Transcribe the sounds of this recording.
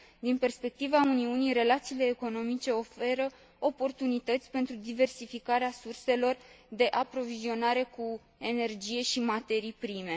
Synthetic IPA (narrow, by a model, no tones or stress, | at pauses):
d̪inpe̞rspe̞k̚t̪ivauniunijɾe̞lat̪siːle̞ːko̞no̞mit͡ʃe̞o̞fe̞ɾə | o̞po̞rt̪unit̪ət̪sʲpe̞nt̪ɾud̪ive̞rsifikaɾeasurse̞lo̞r | d̪e̞ʔapɾo̞vizio̞naɾe̞ku | e̞ne̞rd͡ʒije̞ʃimat̪e̞ɾijpɾime̞